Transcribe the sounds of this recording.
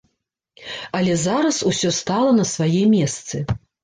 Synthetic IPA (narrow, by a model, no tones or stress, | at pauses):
ɐlʲɛzaɾɐsusʲɔst̪alˠɐnɐsvajɛmʲɛst̪sɨ